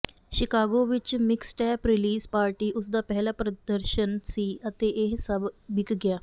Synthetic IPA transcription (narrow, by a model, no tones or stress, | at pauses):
ʃɪkaːɡoʋɪt͡ʃmɪksʈɛːpɾɪliːzpaːɾʈiːʔʊs̬d̪aːpɛɦlapɾəd̪əɾʃənsiːət̪eʔeɦsəbbɪkɡjaː